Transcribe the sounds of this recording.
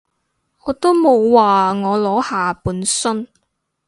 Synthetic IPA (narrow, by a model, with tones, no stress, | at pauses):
ŋɔː˨˧t̪o˥mo˨˧wwaː˨ŋɔː˨˧lɔː˨˥haː˨puː˨˥nsɵ˥n